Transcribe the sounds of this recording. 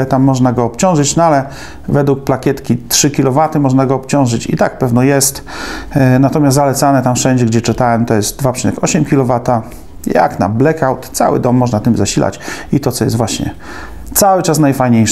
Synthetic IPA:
t̪amːɔʐnaɡɔːpt͡ɕɔ̃w̃ʐɘt͡ɕnɔalɛ | vɛd̪wuk̚plakʲɛt̪kʲitʂɘkʲilɔvat̪ɘmɔʐnaɡɔːpt͡ɕɔ̃w̃ʐɘt͡ɕḭt̪ak̚pɛvnɔjɛst̪ | nat̪ɔmʲaszalɛt̪sanɛt̪amfʂɛɲd͡ʑɛɡd͡ʑɛt͡ʂɘt̪awɛmt̪ɔjɛst̪̚d̪vapʂinɛkʰɔɕɛmkʲilɔvat̪a | ja̰kna̰blɛkawt̪t̪sa̰wɘ̰d̪ɔmːɔʐnat̪ɘmzaɕila̰t͡ɕit̪ɔt̪sɔjɛst̪vwaɕɲɛ̰ | t̪sawɘt͡ʂasnajfajɲejʂ

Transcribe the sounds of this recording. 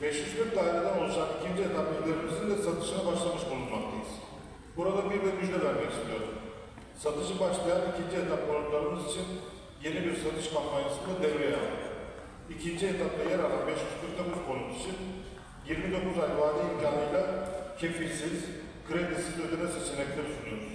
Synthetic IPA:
bɛʃmyʃbiɾt̪ːaːiɾad̪ano̞lˠuʃakicʰind͡ʒiet̪ʰaplaid̪ʲeɾimizind̪ɛsat̪ʰɯ̥ʃɯnabaʃlˠamɯʃbolˠunmak̚t̪ʰajɯz̥ | buɾad̪abiɾbiɾmyʒlʲelæɾbeɾʃelʲijoɾṵm | sat̪ʰɯʃɯbaʃlˠajanicʰind͡ʒiet̪ʰap̚kʰolunlˠaɾɯmɯzit͡ʃʰin | je̞nibiɾsat̪ʰɯʃkʰampʰanjasɯnd̪ad̪ejɾejˠ | ikʲʰint͡ʃʰiet̪ʰaplˠɑjɛɾɑɾɑnbeʃjyzk̪ʰyɾt̪ːɛmuzkʰolˠuqit͡ʃʰin | jiɾmid̪o̞kːuzalʲvɑːd̪iiŋkʲʰaːnijlˠɑkʲʰefilʲsiz | kʰɾed̪isizøzynɛset͡ʃʰilɛk̚ʲt̪ɛd̪ut̪ʰunijoɾuz

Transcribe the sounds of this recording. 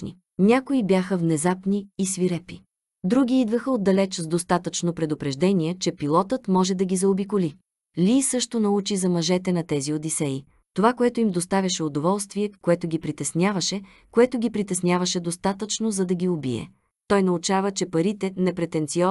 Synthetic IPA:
nḭ | nʲakoibjaxəvnɛzapniːsviɾɛpi | d̪ɾuɡʲiid̪vəxəod̪ːɐlɛt͡ʃzd̪ost̪at̪ət͡ʃnopɾɛd̪ʊpɾɛʒd̪ɛniɛt͡ʃɛpilˠɔt̪ət̪mɔʒɛd̪ɐɡʲizɐobikʊli | lʲiːsɤʃt̪onɐut͡ʃizɐmɐʒɛt̪ɛnɐt̪ɛziod̪isɛi | t̪ovakoɛt̪ʊimd̪ost̪avʲɐʃɛod̪ovɔlˠst̪viɛkoɛt̪ʊɡʲipɾit̪ɛsnʲavɐʃɛ | koɛt̪ʊɡʲipɾit̪ɛsnʲjavɐʃɛd̪ost̪at̪ət͡ʃnozɐd̪ɐɡʲiobḭɛ̰ | t̪ɔjnɐut͡ʃavət͡ʃɛpɐɾit̪ɛnɛpɾɛt̪ɛnt̪siɔ

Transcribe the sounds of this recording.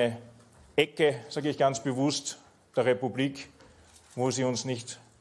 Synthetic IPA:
ə | ʔɛkəz̥aːɡəɪçɡ̥ant͡sb̥əvʊst | d̥eːɐʁepubliːk | voːziːʊnsnɪçt

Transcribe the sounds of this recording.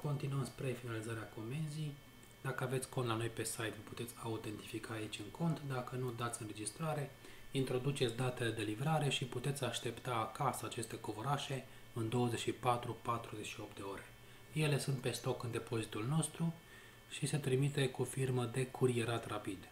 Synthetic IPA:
ko̞nt̪inuəmspɾe̞finalizaɾeako̞me̞nzij | d̪akəave̞t̪sʲko̞nt̪lano̞jpe̞sajt̪vəpu̥t̪et̪sʲaut̪e̞nt̪ifikʰaːit͡ʃʲɨŋkʰo̞nt̪d̪akənud̪at̪sʲɨnre̞d͡ʒist̪ɾaɾe̞ | int̪ɾo̞d̪ut͡ʃet̪sʲd̪at̪e̞le̞d̪e̞livɾaɾe̞ʃiput̪e̞t̪sʲaʃt̪e̞pt̪aːkasəat͡ʃe̞st̪e̞ko̞voɾaʃe̞ | ɨnd̪o̞wəze̞t͡ʃʃipat̪ɾupat̪ɾuze̞t͡ʃʃio̞pt̪d̪e̞o̞ɾe̞ | je̞le̞sunt̪̚pe̞st̪o̞kɨnd̪e̞po̞zit̪ulno̞st̪ɾu | ʃise̞t̪ɾimit̪e̞kufirməd̪e̞kʰuɾie̞ɾat̪rapid̪

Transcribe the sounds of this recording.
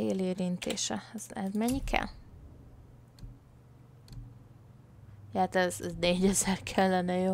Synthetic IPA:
eːleːɾint̪ḛːʃɛ̰ɛz̥ɛzmɛɲːikʰɛ̰l | jɛat̪ɛzzneːɟɛzɛrkʰɛlːɛnɛjo

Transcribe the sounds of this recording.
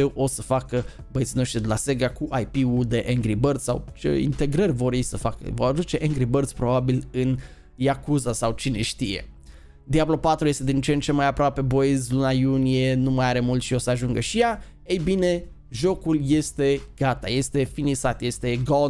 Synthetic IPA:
ewʔo̞səfakə | bət̪sino̞ʃt̪ɾid̪elase̞ɡakuʔajpiud̪e̞ʔeŋɡɾibərd̪sʲsa̰wt͡ʃe̞̰ḭnt̪e̞ɡɾərʲvo̞ɾejsəfakə̰vo̞ɾad̪ut͡ʃe̞ʔeŋɡɾibərd̪sʲpɾo̞babilɨn | jakuzasawt͡ʃine̞ʃt̪ije̞̰ | d̪iablo̞pat̪ɾuje̞st̪eint͡ʃent͡ʃemajapɾoape̞bo̞ezʲlunajunije̞numajaɾe̞mult̪ʃio̞səaʒuŋɡəʃija | ejbine̞ | ʒo̞kulje̞st̪e̞ɡ̥at̪aje̞st̪e̞finisat̪je̞st̪e̞ɡo

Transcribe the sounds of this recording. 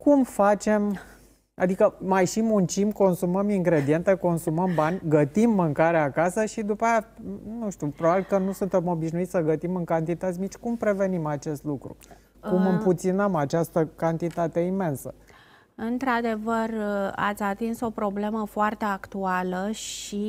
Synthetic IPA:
kumfat͡ʃe̞m | a̰d̪ikəmajʃimunt͡ʃimko̞nsuməmiŋɡɾe̞d̪ie̞nt̪e̞ko̞nsuməmbanʲɡət̪imːɨŋkaɾeakasəʃid̪upajanuʃt̪upɾobabilkənusunt̪e̞mo̞biʃnuit̪sʲsəɡət̪imɨŋkant̪it̪ət̪sʲmit͡ʃʲkumpɾe̞ve̞nimat͡ʃe̞st̪lukɾṵ | kumɨmput̪sinəmat͡ʃast̪əkant̪it̪at̪e̞ime̞nsə | ɨnt̪ɾad̪e̞vəra̰t̪sʲat̪inso̞pɾo̞ble̞məfoart̪e̞akt̪ualəʃi

